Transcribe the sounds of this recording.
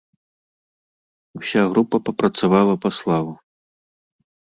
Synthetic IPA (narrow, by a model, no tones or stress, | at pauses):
usʲaɣɾupɐpɐpɾɐt̪savalˠɐpɐslˠavu